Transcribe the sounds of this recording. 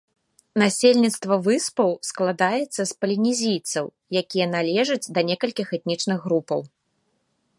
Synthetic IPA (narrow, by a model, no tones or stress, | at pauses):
nasʲelʲnʲit̪st̪vɐvɨspɐwsklˠad̪ajɛt̪sːɐspɐlʲinʲizʲijt̪sɐw | jakʲijɐnalʲɛʐɐd͡zʲd̪ɐnʲɛkɐlʲkʲixɛt̪̚nʲit͡ʂnɨɣːɾupɐ̰w